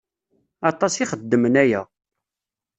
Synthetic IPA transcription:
ɑt̪ˤɑsiχəd̪ːəmənæjæ̰

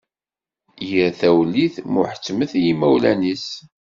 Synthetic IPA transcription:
jəɾθæwliθmʊħə̥t͡sːməθjimæwlænis

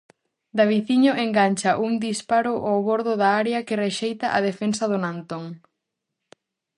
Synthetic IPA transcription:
d̪aβiθiɲʊʔeŋɡaɲʲt͡ʃɐʔuŋd̪ispaɾʊʔawβoɾðʊðaaɾjɐkɪreʃejt̪ɐʔaðefensɐðʊnant̪oŋ

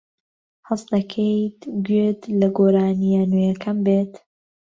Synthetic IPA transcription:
hɐsd̪ɐkʰejt̪ɡɥet̪lɐɡoːɾaːnijanejɐkʰɐmbeːt̪

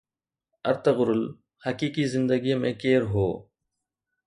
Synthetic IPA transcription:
ɐ̰ɾt̪əɣʊɾʊl | hɐkiːkizɪ̃nd̪əɡij̃mẽkeːɾɦoː

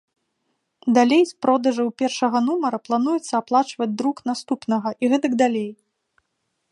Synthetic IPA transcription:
d̪alʲejspɾɔd̪ɐʐɐwpʲɛrʂɐɣɐnumɐɾɐplˠanujɛt̪sːɐaplˠat͡ʂvɐd͡zʲd̪ɾuknast̪upnɐɣɐʔiɣɛt̪ɐɡd̪alʲej

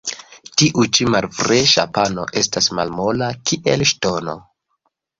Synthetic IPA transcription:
tiʔut͡ʃimalfɾeʃa̰pano̞̰ʔe̞stasma̰lmolakiʔelʃto̞no̰

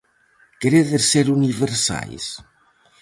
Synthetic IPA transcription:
keɾeðeseɾuniβeɾsa̰js

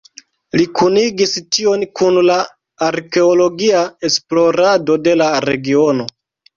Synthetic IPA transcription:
likʰuniɡistio̞nkunla | aɾke̞olo̞ɡiae̞splo̞ɾado̞de̞laɾe̞ɡio̞no̞

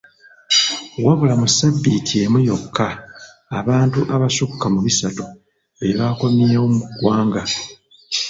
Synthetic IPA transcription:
waβulamusabːitʰie̞mujo̞kːaː | βaːntuʔaβasukːamuβisatu | e̞βako̞mieomuɡwaːŋɡa

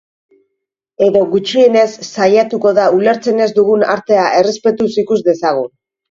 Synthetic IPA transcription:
e̞ðo̞ɣut͡ʃie̞ne̞sːajat̪uko̞ðaule̞ɾt͡se̞ne̞zd̪uɣ̞una̰ɾt̪e̞aʔe̞re̞spe̞t̪usikuzd̪e̞saɣu

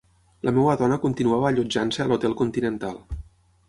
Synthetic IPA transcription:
lʔəmɛwəðɔnəkunt̪inuaβəːʎud͡ʒansəəlut̪ɛlˠkunt̪inənt̪alˠ

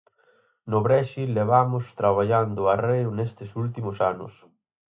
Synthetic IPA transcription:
nʊβɾɛʃileβamʊst̪ɾaβaʎand̪ʊarejʊnest̪ɪsult̪imʊsanʊ̰s

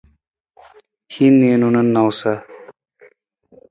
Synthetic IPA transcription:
hinːenunɐnːawsa

